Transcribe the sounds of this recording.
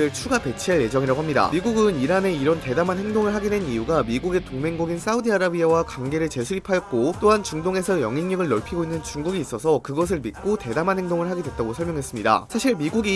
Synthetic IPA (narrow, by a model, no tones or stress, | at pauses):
ɯɭt͡ɕʰuɡape̞t͡ɕʰiaɭje̞d͡ʑʌŋiɾaɡoɦamɲida̰miɡuɡɯniɾane̞iɾʌnte̞damanɦe̞ŋdoŋɯɭɦaɡinwe̞nijuɡamiɡuɡe̞toŋme̞ŋɡoɡins͈ʰaudiaɾabiawakaŋɡe̞ɾɯɭt͡ɕe̞sʰuɾipʰajʌk̚k͈ot͈oɦant͡ɕuŋdoŋe̞sʰʌjʌŋinɲʌɡɯɭːʌɭpʰiɡoinːɯnt͡ɕuŋɡuɡiːs͈ʌsʰʌkɯɡʌs̬ʰɯɭmit̚k͈ote̞damanɦe̞ŋdoŋɯɭɦaɡidwe̞t̚t͈aɡosʰʌɭmjʌŋɦe̞s͈ɯmɲida̰sʰaɕʰiɭmiɡuɡi